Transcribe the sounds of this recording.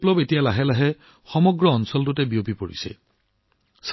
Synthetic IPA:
plɔbetijalaɦɛlaɦɛ | xɔmɔɡɹɔːnsɔltʊtɛbijopipoɹḭsɛ̰ | s

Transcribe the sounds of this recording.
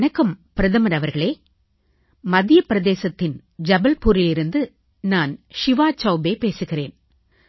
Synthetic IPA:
nɐkːɯmpɪɾɐðɐmɐɾɐʋɐɾɣɐɭeː | mɐðɪjɐpɪɾɐðeːsɐt̪ːɪn | d͡ʒɐbɐlpuːɾɪlɪɾɯnd̪ɯ | naːnʂɪʋaːt͡ʃːɐːbeːpeːsɯɣɪreːn

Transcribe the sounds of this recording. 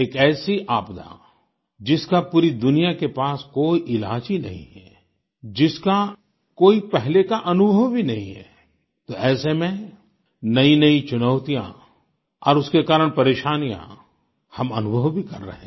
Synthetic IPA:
eːkɛːsiʔaːpd̪a̰ | d͡ʒɪskapuːɾid̪ʊnijakepaːskoːiʔɪla̰ːd͡ʒinɐ̰ɦḭ̃ɦɛː | d͡ʒɪska | koːipɛɦlekaʔɐnʊbʱəwbʱinɐɦĩɦɛ̰ | t̪oɛːsemẽ | nɐĩnɐit͡ʃʊnəʊt̪ijã̰ | ɔ̰ːɾʊskekaːɾəɽ̃pɐɾeːʃaːnijã̰ | hɐmɐnʊbʱəwbʱikɐɾːɐ̰ɦẽ

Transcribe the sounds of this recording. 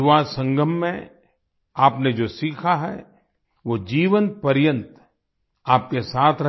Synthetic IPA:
ʋaːsə̃ŋɡʱəmːḛ̃ | aːpned͡ʒoːsiːkʰaɦɛ̰ | ʋoːd͡ʒiːʋə̃nt̪̚pɐɾjə̃nt̪ | aːp̚kesaːt̪ʰɾɐ

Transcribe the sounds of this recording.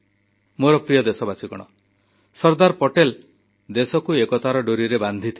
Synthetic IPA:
moɾɔpɾijɔd̪esɔbasikɔɽ̃ɔ | sɔɾd̪aɾpɔʈel | d̪esɔkuekɔt̪aɾɔɖoɾiɾeband̪ʱit̪ʰi

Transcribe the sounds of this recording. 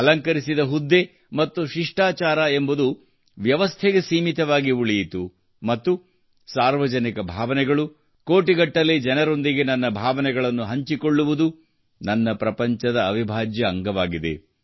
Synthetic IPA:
ɐlɐŋkɐɾisid̪ɐɦud̪ːe̞ | mɐt̪ːuʃiʂʈaːt͡ʃaːɾaembud̪u | ʋjɐʋɐst̪ʰɛɡe̞siːmit̪ɐʋaːɡiuɭijit̪u | mɐt̪ːu | saːɾʋɐd͡ʒɐnikɐbʱaːʋɐnɛɡɐɭu | koːʈiɡɐʈːɐlːid͡ʒɐnɐɾo̞nd̪iɡenɐnːɐbʱaːʋɐnɛɡɐɭɐnːuɦɐɲt͡ʃiko̞ɭːuʋud̪u | nɐnːɐpɾɐpɐɲt͡ʃɐd̪ɐːʋibʱaːd͡ʒjɐːŋɡɐʋaːɡid̪ḛ

